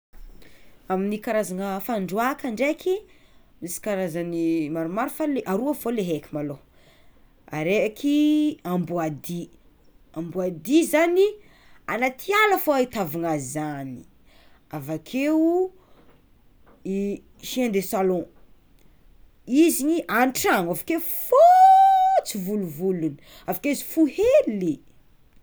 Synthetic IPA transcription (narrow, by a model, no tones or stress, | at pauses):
aminikaɾazanəfaɳɖ͡ʐuakaɳɖ͡ʐekʰimisi̥kaɾazanimaɾumaɾufaleʔaɾuavoleɦekʲimalo | a̰ɾeakʰiambuad̪i | ambuad̪izani | anat̪ʰialafoait̪avaŋaizani̥ | avakʰeu | i | ʃiand̪esalõ | iziɲiʔanʈ͡ʂaŋavḁkefo | t͡sivuluvuluni | avakeizi̥fuheli